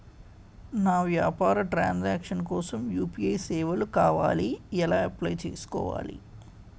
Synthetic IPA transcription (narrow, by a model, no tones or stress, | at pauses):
naːʋjaːpaːɾɐʈɾaːnd͡ʒaːkʂɐnkɔːsɐmjuːpiɐjsɛːʋɐlukaːʋa̰ːliɛlaːɐplɐjt͡ʃḛːsu̥kɔ̰ːʋa̰ːlḭ